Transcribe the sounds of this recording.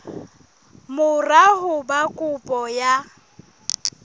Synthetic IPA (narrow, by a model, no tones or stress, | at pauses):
mʊrahʊbakʼʊpʼɔja